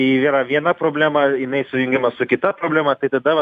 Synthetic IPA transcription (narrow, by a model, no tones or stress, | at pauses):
ʋʲiːɾɐʋʲiɛnɐpɾoːbʲlʲæːmɐjɪnɐɪsʊjʊŋʲɡʲɪmɐsʊkʲɪt̪ɐpɾoːbʲlʲæːmɐt̪ɐɪt̪ɐd̪ɐʋɐ